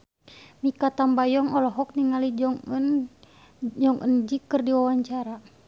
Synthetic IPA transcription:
mikat̪ambajɔŋɔlɔɦɔk̚niŋalid͡ʒɔŋn | d͡ʒɔŋʔənd͡ʒikːɨrdiwawaɲt͡ʃaɾa

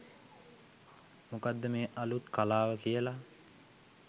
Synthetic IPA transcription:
mukad̪ːəmeːʔalut̪kalaːʋəkijəla

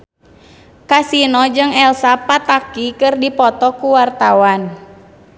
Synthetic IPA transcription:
kasinɔd͡ʒɨŋɛlsapat̪akikɨrdipɔt̪ɔkuwart̪awan

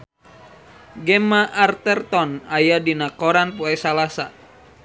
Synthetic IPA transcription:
ɡɛmaʔːrt̪ɛrt̪ɔnajadinakɔɾanpuɛsalasa

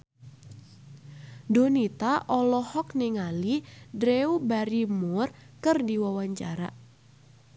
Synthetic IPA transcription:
donit̪aʔɔlɔhɔk̚nɪŋalidɾeubaɾimʊrkɨrdiwawaɲt͡ʃa̰ɾa̰

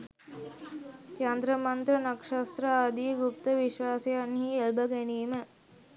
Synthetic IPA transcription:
kjand̪ɾɐmɐnt̪ɾɐnɐkʂɐst̪ɾɐaːd̪iɡup̚t̪ɐʋiʃʋaːsejɐnɦielbɐɡeniːmə

